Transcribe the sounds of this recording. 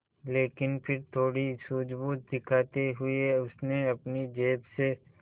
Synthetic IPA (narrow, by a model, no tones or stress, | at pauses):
leːkɪnpʰɪɾt̪ʰoːɽisuːd͡ʒbuːt̪̚d̪ɪkʰaːt̪eɦʊeʊsneɐpnid͡ʒeːbse